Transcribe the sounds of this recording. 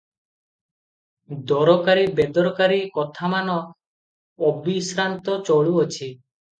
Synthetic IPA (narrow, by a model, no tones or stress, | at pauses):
d̪ɔɾɔkaɾibed̪ɔɾkaɾikɔt̪ʰamanɔː | bisɾant̪ɔt͡ʃɔɭuot͡ʃʰi